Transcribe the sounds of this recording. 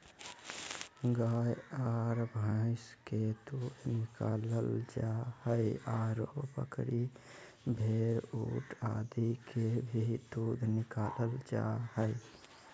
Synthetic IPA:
ɡajaɾbʱə̃ɪsked̪ud̪ʱnikaləld͡ʒahəjaɾopə̰kɾi | bʱeɾuʈa̰d̪ikʰebʱid̪ud̪ʱnikaləld͡ʒa̰həɪ

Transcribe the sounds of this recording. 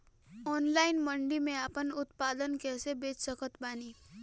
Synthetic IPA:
ɔːnlaːɪnmə̃ɳɖimẽaːpənʊt̪paːd̪ənkɛːsebeːt͡ʃsəkʰət̪baːniː

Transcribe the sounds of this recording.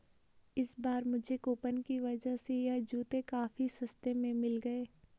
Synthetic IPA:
ɪsbaːɾmʊd͡ʒʱekoːpənkiʋɐd͡ʒaɦsejɐɦd͡ʒuːt̪ekaːfisɐst̪emẽmɪlɡɐeː

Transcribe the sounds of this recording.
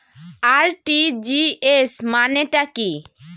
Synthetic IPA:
aɾʈid͡ʑiesmaneʈaki

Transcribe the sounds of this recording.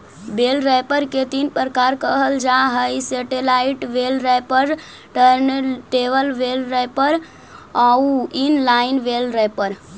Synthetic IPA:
belɾəpəɾket̪inpɾəkaɾkəɦəld͡ʒaɦəjsəʈelaiʈʋelɾəpəɾ | ʈəɾnʈeʋəlʋelɾɛpəɾ | auinlainʋelɾɛpəɾ

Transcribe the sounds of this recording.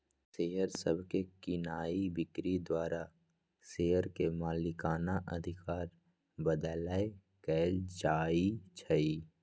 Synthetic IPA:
seɦəɾsə̰bʱkekɪnaːibɪkɾid̪waːɾa | seːəɾkemaːlɪkaːnaʔɐd̪ʱɪkaːɾ | bəd̪ləe | kɛːld͡ʒaːit͡ʃʰəi

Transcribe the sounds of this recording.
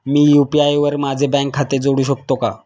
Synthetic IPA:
miːjupiajʋəɾmad͡zʱebɛ̃ŋkʰːat̪ed͡zoɽuːɕək̚t̪oka

